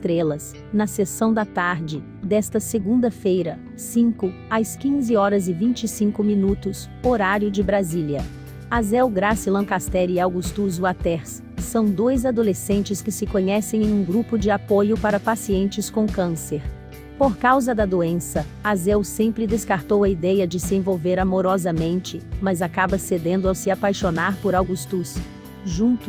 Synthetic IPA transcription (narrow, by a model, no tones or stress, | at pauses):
st̪ɾelɐs | nɐsesɐ̃w̃d̪ɐt̪aɾd͡ʒɪ | d̪ɛst̪ɐseɡũnd̪ɐfejɾɐ | sĩkʊ | askĩzɪɔɾɐzɪvĩnt͡ʃɪsĩŋkʊmĩnut̪ʊs | oɾaɾjʊd͡ʒɪbɾaziliɐ | azɛwɡɾasilɐ̃kast̪ɛɾiawɡust̪uzuat̪ɛɾsː | ɐ̃w̃d̪ojzad̪olesẽnt͡ʃɪskɪsɪkoɲɛsẽj̃ẽj̃ũɡɾupʊd͡ʒɪapojʊpaɾɐpasiẽnt͡ʃɪskõkɐ̃seɾ | poɾkawzɐd̪ɐd̪oẽsɐ | azɛwsẽmpɾɪd̪eskaɾt̪owɐid̪ɛjɐd͡ʒɪsɪẽvowveɾamoɾɔzɐmẽnt͡ʃɪmɐzakabɐsed̪ẽnd̪ʊawsɪapajʃonaɾpoɾawɡust̪us | ʒũnt̪